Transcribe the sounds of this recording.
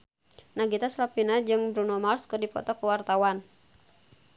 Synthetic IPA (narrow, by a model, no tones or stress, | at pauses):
nahɡit̪aslapinad͡ʒɨŋbɾunɔmarskɨrdipɔ̰t̪ɔkuwart̪awan